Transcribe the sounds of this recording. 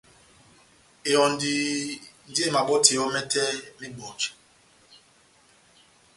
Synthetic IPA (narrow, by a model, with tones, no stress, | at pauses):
e˨ɔ˨n˨di˨n̩˦de˦˨ma˨ɓɔ˦tʰi˨ɔ˦mɛ˦tɛ˦ni˦bɔ˨t͡ʃ